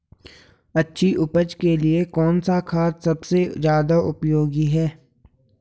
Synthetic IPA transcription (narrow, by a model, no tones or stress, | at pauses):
ɐtːʃʰiʔʊpəd͡ʒkeliekɔːnsakʰaːt̪sɐbsezjaːd̪aʔʊpjoːɡiɦɛː